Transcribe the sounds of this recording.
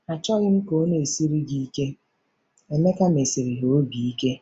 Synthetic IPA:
a˨t͡ʃɔ˦ɣɪ˦m̩˦ko˦ne˨si˦ɾi˦ɡi˨i˦ke˦ | e˨me˦ka˦me˨si˨ɾi˨ɦo˨o˦ɡi˨i˦ke˦

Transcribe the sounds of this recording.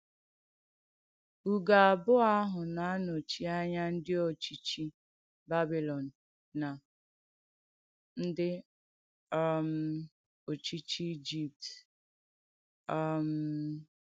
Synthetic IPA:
u˨ɡa˨a˨bʊ˦a˦ɦʊ˨na˨a˦no˨t͡ʃi˦a˦ɲa˦n̩˦dɪ˦o˨t͡ʃi˦t͡ʃi˦ | ba˦bi˨lɔ˨n̩ː˨ | a˨ | n̩˦dɪ˦ | a˦˨m̩˨ | o˨t͡ʃi˦t͡ʃi˦i˦d͡ʒi˦p̚t | m̩˨˦

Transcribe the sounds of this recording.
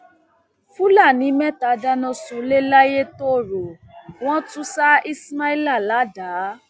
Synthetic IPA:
fu˦la˦˨nĩ˨˦mɛ̃˦ta˨˦da˧˦nɔ̃˧sõ˨le˦la˦je˦to˦˨ɾo˨ | w̃ɔ̃˦tũ˦sa˦i˦sma˦i˦la˦˨la˨˦da˨˦

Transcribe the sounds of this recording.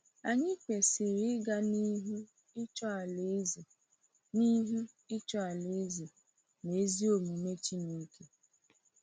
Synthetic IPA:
a˨ɲɪ˦kʷe˨se˨ɾɪ˦ɡa˦ni˦ɦu˦ | t͡ʃɔ˦a˨lz | ni˦ɦu˦ | ɪ˦t͡ʃɔ˦a˨le˨˦ze˨ | ne˨˦zi˦o˨mu˨me˦t͡ʃi˦ni˦ke˦

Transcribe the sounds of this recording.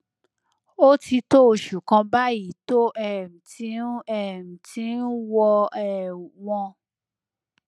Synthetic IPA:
o˦ti˧to˦o˧˨ʃu˨kã˧ba˦i˦to˦ʔɛ˦˨m̩˨ti˧˦ɛ˦˨m̩˨tĩ˨˦n̩˦wɔ˧ɛ˨wɔ̃˧

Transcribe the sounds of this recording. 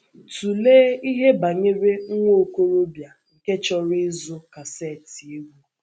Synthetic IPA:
tu˨leː˦i˦ɦe˦ba˨ɲe˦ɾe˦ŋ̩˦ŋʷo˦˨ko˦ɾo˦bja˨ŋ̩˨ke˦t͡ʃɔ˦ɾɪ˦zʊ˦ka˨sɛ˦˨ti˨e˦ɡʷu˦

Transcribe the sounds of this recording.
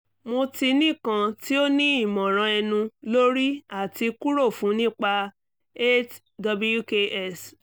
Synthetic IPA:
mo˧ti˧nĩ˦˨kã˧ti˦o˦nĩ˦i˦˨mɔ̃˨ɾ̃ã˧ɛ˧nũ˧lo˦ɾi˦a˦˨ti˧ku˦ɾo˦˨fũ˨˦nĩ˦k͡pa˧ | e˦t | dɔ˧bju˦ke˧ʔɛ˦˨s

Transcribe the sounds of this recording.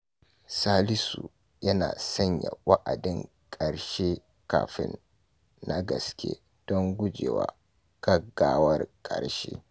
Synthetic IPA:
saː˦lɪ˦su˨ | jɐ˦naː˨sɐ˦ɲja˨wa˦ʔa˨dɪ˦ŋ | kʼɐ˨ɽʃe˦ | ka̰ː˨ɸɪ˦nː | a˦ɡɐ˨skʲḛ˦ | d̥ɔ˦ŋɡʷʊ˦d͡ʒeː˨waː˨ | ɡ̥ɐ˦ɡːaː˨wɐ˦rkʼɐ˨ɽʃḛː˦

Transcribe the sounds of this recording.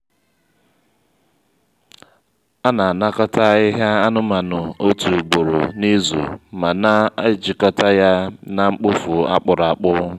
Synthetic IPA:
a˦na˨a˨na˦kɔ˦ta˦ɪ˦ɦa˦a˦nʊ˦ma˨nʊ˨o˦tu˨ɡ͡bo˨ɾo̰˨ni˦zṵ˨ma˨na˦a˦d͡ʒi˨kɔ˦ta˦ja˦na˨ŋ͡m̩˦k͡pʊ˦fu˨a̰˦k͡pʊ˨ɾa˨k͡pʊ˦

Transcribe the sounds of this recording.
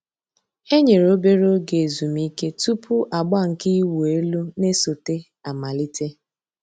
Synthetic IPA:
e˦ɲe˨ɾo˦be˦ɾo˦ɡe˨zu˨mi˦ke˦tu˦pʰʊ˦ʔa˨ɡ͡ba˦ŋ̩˨ki˦wu˨e˦lu˦ne˦so˨te˦ | a˨ma˨li˦te˦

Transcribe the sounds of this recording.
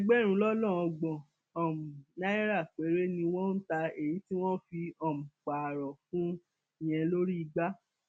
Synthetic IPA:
i˦ɡ͡bɛ˦˨ɾ̃ũ˨˧lɔ˦lɔ̃˦˨ɔ˧ɡ͡bɔ̃˨ | ɔ˨m̩˨na˦i˦ɾa˦˨k͡pe˨˦ɾe˦nĩ˧w̃ɔ̃˦n̩˦ta˧e˨ɾi˨˦ti˦w̃ɔ̃˦fi˧ɔ˨m̩̃˨k͡pa˨ɾɔ˨fũ˦ | i˨j̃ɛ̃˧lo˦ɾi˦i˧ɡ͡ba˦

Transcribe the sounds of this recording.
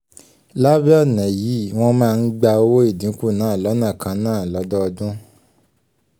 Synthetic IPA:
la˦bi˦ɔ˦˨nɛ̃˨ji˨˦w̃ɔ̃˧mãː˦˧n̩˦ɡ͡ba˧o˦wo˦i˦˨dĩ˨˦ku˦˨nãː˨˦˨lɔ˨˦nã˦˨kʰã˧nãː˦˨lɔ˨˦dɔ˦ɔ˧dũ˦

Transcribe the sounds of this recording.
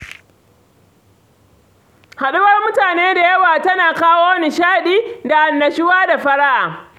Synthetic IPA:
ha˨ɗʊ˦wɐ˦rmʊ˦taː˨neː˦da˨jɐ˦waː˨tɐ˦naː˨kaː˦woː˦wnɪ˨ʃaː˦˨ɗiː˦da˨ʔa˨nːɐ˨ʃɪ˦waː˦da˨ɸɐ˦ɽa˦ʔaː˨

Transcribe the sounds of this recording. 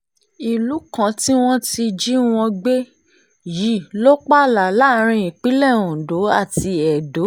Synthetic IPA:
i˨lu˨˦kã˦ti˦w̃ɔ̃˦ti˧d͡ʒi˦w̃ɔ̃˧ɡ͡be˦ | ji˨˦˨lo˦k͡pa˦la˨la˦˧ɾ̃ĩ˧i˨k͡pi˨˦lɛ˦˨ũ˨do˨˦a̰˦˨ti˧ɛ˨do˨˦

